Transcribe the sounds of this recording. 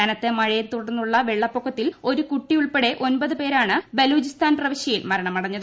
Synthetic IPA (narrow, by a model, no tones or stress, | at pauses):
anɐt̪ːemɐɻɐjilt̪uɽɐrnːuɭːɐʋeɭːɐpːokʰːɐt̪ːilo̞ɾukuʈːiuɭpe̞ɽe̞ʔo̞nbɐðɨpe̞ːɾaːɳɨbeluːd͡ʑist̪aːnprɐʋɐɕjɐjilmɐɾɐɳɐmɐɽɐɲːɐð